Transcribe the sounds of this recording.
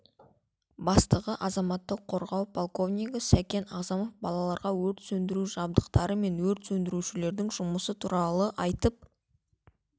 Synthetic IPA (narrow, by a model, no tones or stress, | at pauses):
bɑst̪əʁəʔɑzɑmɑt̪ːəqʰːo̞ɾʁɑwpʰolˠko̞vnʲijɡəsækʲe̞nɑʁzɑmofbɑlˠɑlˠɑɾʁɑwɵɾt̪sɵnd̪ɪɾuʒɑb̚d̪əqt̪ɑɾəme̞nwɵɾt̪sɵnd̪ɪɾuʃɪle̞ɾd̪ɪŋʒʊməsət̪ʰuɾɑlˠəʔɑjt̪əp̚